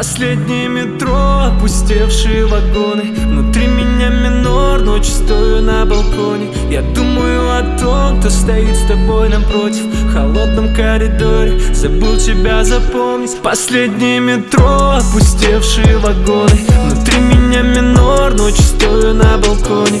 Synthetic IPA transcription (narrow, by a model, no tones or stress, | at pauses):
pɐsʲlʲedʲnʲɪjjəmʲɪt̪ɾoɐpʊsʲtʲefʂɨjəvɐɡo̞nɨvnʊt̪ɾʲimʲɪnʲamʲɪnornujt͡ɕɪ̥st̪ojʊnɐbɐlˠkonʲɪ | jad̪uməjʊɐt̪omk̚t̪ost̪ɐit̪st̪ɐbo̞jnɐpɾo̞tʲɪfxɐlˠo̞d̪̚nɨmkəɾʲɪd̪o̞ɾʲɪzɐbɨlˠtʲɪbʲazɐpomnʲɪtʲpɐsʲlʲedʲnʲɪjəmʲɪt̪ɾoɐpʊsʲtʲefʂɨjəvɐɡo̞nɨvnʊt̪ɾʲimʲɪnʲamʲɪnornojt͡ɕɪ̥st̪ojʊnɐbɐlˠkonʲɪ